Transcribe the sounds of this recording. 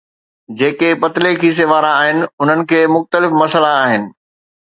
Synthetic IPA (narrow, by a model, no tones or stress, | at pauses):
d͡ʑeːkepɐt̪ɪlekʰiːs̬eʋaːɾaːɦɪnɪ̆ʊn̤ənɪ̆kʰeːmʊxt̪əlɪfmɐsəlaːɦɪnɪ̆